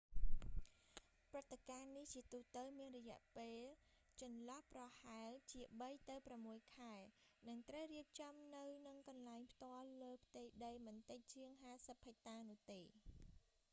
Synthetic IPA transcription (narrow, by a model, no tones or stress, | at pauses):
prɨt̪ːekaːniht͡ɕiət̪uːt̪əwmiənrɔjɛ̆əʔpeːl | t͡ɕɑnlɑhprɑhaɛlt͡ɕiəɓəjt̪ɨwpramːuəjkʰaɛnɨŋt̪rəwriəp̚t͡ɕɑmnɨwnɨŋkɑnlaɛŋpʰt̪ŏəlːəːpʰt̪ejɗəjmɨnt̪ɨc̚t͡ɕiəŋɦaːsəp̚hək̚t̪aːnŭəht̪eː